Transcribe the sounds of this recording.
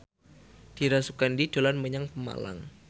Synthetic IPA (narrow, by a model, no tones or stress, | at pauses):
d̥iɾasukandid̥o̤lanməɲaŋpəma̰la̰ŋ